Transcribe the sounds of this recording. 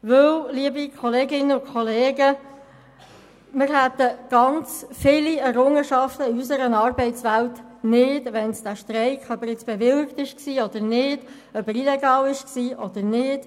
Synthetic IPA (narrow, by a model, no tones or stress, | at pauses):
ʋɵwliəbikʰɔleːɡɪnəʊkʰχɔleːɡə | mɪɾhɛt̪ːəɡ̥ɑnt͡sfɪliɛɾʊŋːəʃɑftəiysəɾənɑːrbɛɪtt͡sʋæltnɪd̥ʋɛnsd̥æʃtɾɛɪkχœpəɾɪt͡sb̥ɛʋɪlkt̪ɪʃksiːɔd̥̪əɾnɪːd̥ | œpəɾilɛɡɑːlɪʃksiːʔɔd̥̪əɾnɪːd̥